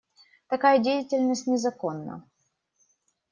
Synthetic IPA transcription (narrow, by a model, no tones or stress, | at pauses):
t̪ɐkajədʲejɪtʲɪlʲnəsʲtʲnʲɪzɐko̞nːə̰